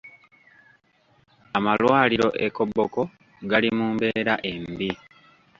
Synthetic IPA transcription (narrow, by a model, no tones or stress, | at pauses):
amalwaːliɾo̞̰ʔeko̞bːoko̞ | ɡalimuːmbe̞ːɾaʔe̞mbi